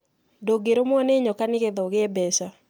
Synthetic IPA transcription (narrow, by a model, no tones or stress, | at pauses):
doɡeɾomwɔneɲɔkanɪkeðɔɡeɛbɛsa